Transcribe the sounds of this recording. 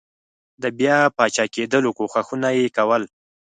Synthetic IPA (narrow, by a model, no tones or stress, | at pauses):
d̪əbjɑpɑt͡ʃɑked̪əlokoxaxunajekawəl